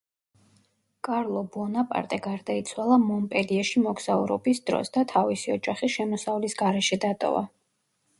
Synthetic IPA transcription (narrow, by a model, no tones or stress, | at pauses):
kʼaɾlˠɔbɔnapʼa̰ɾt̪ʼɛɡaɾd̪ait̪sʰwalˠamɔmpʼɛliɛʃimɔɡz̥aṵɾɔbisd̪̥ɾɔ̰sd̪at̪ʰavisiɔd͡ʒaχiʃɛmɔsavlisɡaɾɛʃɛd̪at̪ʼɔ̰va̰